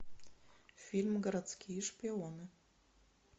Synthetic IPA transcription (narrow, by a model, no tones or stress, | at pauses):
fʲilʲmɡəɾat̪t͡skʲʰiʂpʲeonɨ